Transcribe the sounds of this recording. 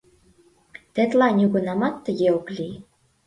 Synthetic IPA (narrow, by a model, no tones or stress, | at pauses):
t̪ĕt̪lɑnʲuɣɤ̆nɑmɑt̪ːə̆jeoklʲi